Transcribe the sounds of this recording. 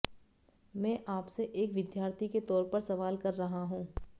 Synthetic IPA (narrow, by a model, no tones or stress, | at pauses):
mɛ̃ːʔaːpseʔeːkʋɪd̪jaːɾt̪ʰiket̪ɔːɾpɐɾsɐʋaːlkɐɾːɐɦaɦũː